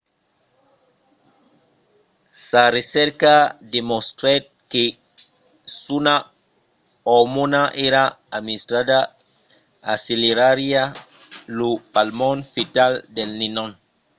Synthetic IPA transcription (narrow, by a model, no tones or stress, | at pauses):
saɾesɛɾkademostɾet | ke | suna | omunaʔeɾa | administɾada | asileɾaɾia | lupalmɔnfitaldelninɔn